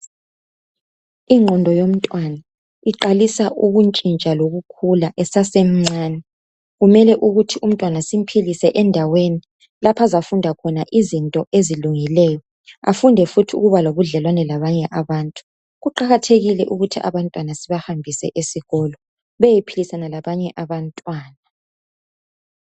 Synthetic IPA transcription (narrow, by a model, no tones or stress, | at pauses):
iŋ͡ǃʱɔndʱɔjom̩tʼwana | iǃalisaʔuɣunt͡ʃʼint͡ʃʼaloɣukʰulaʔɛsasem̩ŋ͡ǀaːnɛ | ɣumɛlɛʔuɣutʰium̩tʼwanasim̩pʰilisɛʔɛndʱaweni | lapʰazafundʱakʰɔnaʔizintʼɔʔeziluŋilɛjɔ | a̰fundʱɛfutʰiṵɣuβaloβuɮɛlwanɛlaβaɲɛʔaβaːntʼu̥ | ɣuǃaɣatʰeɣilɛʔuɣutʰiʔa̰βantʼwanasiβahambʱisɛ̰ʔesiɣɔlɔ | βɛjipʰilisanalaβaɲɛʔaβantʼwaːna